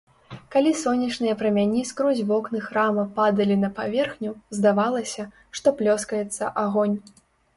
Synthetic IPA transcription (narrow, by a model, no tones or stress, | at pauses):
kalʲisɔnʲːɐt͡ʂnɨjɐpɾɐmʲanʲiskɾɔzʲvɔknɨxɾamɐpad̪ɐlʲinɐpavʲɛrxnʲuzd̪avalˠɐsʲɐ | ʂt̪ɔplʲɔskɐjɛt̪sːɐʔaɣɔnʲ